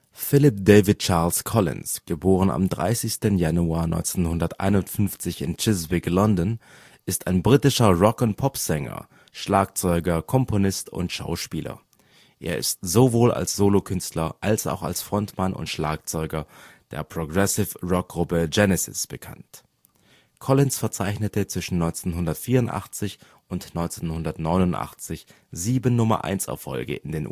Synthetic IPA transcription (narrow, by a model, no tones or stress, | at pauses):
fɪlɪp̚d̥eɪvɪt̚t͡ʃaːɐlskʰɔlɪ̰nsɡ̥əboːʁ̞əna̰mdʁa̰ɪsɪçstənjanuaːɐnɔ̰ʏnt͡senhʊndɐtʔa̰ɪnʊntfʏnft͡sɪçɪnt͡ʃɪzbɪklɔndɔn | ʔɪstaɪnbʁiːtɪʃɐʁɔkənpʰɔpz̥ɛŋɐ̰ | ʃlaːkt͡sɔʏɡɐkʰɔmpʰonɪstʊ̰ntʃa̰ʊʃpiːlɐ̰ | ʔḛːɐʔɪ̰stz̥ovoːla̰lsz̥oːlokʰʏnstʰlɐʔalsa̰ʊxa̰lsfʁ̥ɔntmanʔʊ̰ntʃla̰ːk̚t͡sɔʏɡɐd̥ḛːɐpʁ̥oɡʁɛsɪfʁɔk̚ɡ̥ʁʊpəd͡ʒɛnɛsɪ̰sb̥əkʰa̰nt | kʰɔlɪnsfɛɐt͡saɪçnətət͡sv̥ɪʃn̩nːɔʏnt͡senɦʊndɐtfiːɐʊntʔa̰χt͡sɪç | ʔʊntnɔʏnt͡senhʊndɐtnɔʏnʊntʔa̰χt͡sɪç | ziːbənːʊmɐ̰ʔa̰ɪnsɛ̰ɐfɔ̰lɡə̰ʔɪndeːnʔ